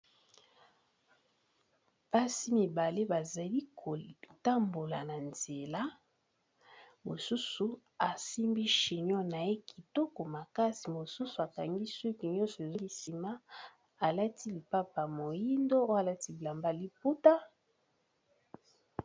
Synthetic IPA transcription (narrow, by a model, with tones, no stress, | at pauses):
pa˦si˦mi˨ba˨le˦ba˨za˨li˦˨ | ta˦mbo˨la˨na˨nz̥e˨la˦ | mo˨su˦su˨ | a˨si˦mbi˦ʃi˨ɲɔ˦na˨e˦ki̥˨tɔ˦ko˨ma˨ka˦si˨mo˨su˦su˨a˨ka˨ŋɡi˦swi˦ki˨ɲɔ̃˦nsɔ˨e˨zli˨si˨ma˦ | a˨la˦ti˦li˨pa˦pa˨mo˨ji˦ndo˦o˦a˨la˦ti˦˨la˨mba˦˨li˦p̚u˦ta˦